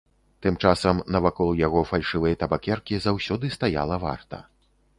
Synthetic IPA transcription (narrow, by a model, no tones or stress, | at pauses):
t̪ɨmt͡ʂasɐmnɐvakɔlˠjaɣɔfalʲʂɨvɨjɐt̪ɐbakʲɛrkʲizawsʲɔd̪ɨst̪aja̰lˠɐva̰rt̪ɐ̰